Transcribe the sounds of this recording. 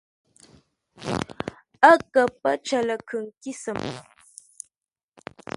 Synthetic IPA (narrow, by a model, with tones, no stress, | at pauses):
ə˦˨kə˨p̚ə˦t͡ʃə˨lə˨kʰə˨ŋ˨ki˦sə˨m˨